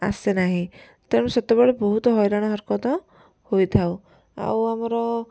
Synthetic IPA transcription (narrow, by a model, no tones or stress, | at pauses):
a̰senaɦĩ | t̪ẽset̪ebɔɭebɔɦut̪ɔɦɔjɾaɽ̃ɔɦɔɾkɔt̪ɔ | hojt̪ʰaw | a̰wamɔɾɔ